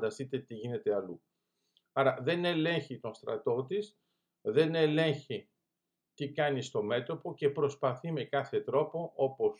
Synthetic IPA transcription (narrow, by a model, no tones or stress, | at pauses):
d̪ɐst̪it̪e̞t̪iʝine̞t̪e̞ɐlu | ɐɾɐðe̞ne̞le̞ɲçit̪o̞nst̪ɾɐ̰t̪o̞t̪is | ðe̞ne̞le̞ɲçi | t̪ikɐnist̪o̞me̞t̪o̞po̞ce̞pɾo̞spɐθime̞kɐθe̞t̪ɾo̞po̞ʔo̞po̞s